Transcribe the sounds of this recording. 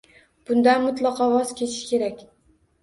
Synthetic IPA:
b̥ʊnd̪anmʊt̪lˠɑqʰɒvɒzkʲʰet͡ʃ̪ʰɪʃkʲe̞ɾakʲ

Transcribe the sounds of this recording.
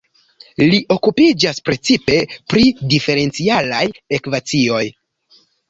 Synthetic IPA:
liʔo̞kupid͡ʒaspɾe̞t͡sipe̞pɾidife̞ɾe̞nt͡sialaje̞kvat͡sio̞j

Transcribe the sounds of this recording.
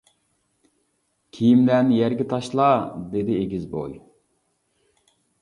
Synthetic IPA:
kʲʰijimd̪ɛnjæɾɡʲɪt̪ʰɑʃlˠɑd̪ed̪ɪeɡʲizbo̰j

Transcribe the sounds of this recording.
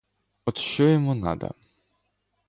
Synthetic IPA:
ɔt̪ʃɔjɔmunɑ̰d̪ɐ̰

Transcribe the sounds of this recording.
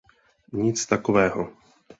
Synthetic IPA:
ɲit͡st̪akovɛːɦo

